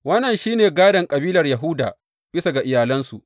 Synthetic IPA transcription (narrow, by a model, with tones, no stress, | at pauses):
wɐ˦nːɐ˨nʃiː˦neː˨ɡaː˦dɐ˨ŋkʼɐ˨biː˦lɐ˨rjɐ˨ɦʊ˦da̰ː˨ | b̥ɪ˦sa˨ɡa˨ʔɪ˨jaː˨lɐ˦nsu˨ʔ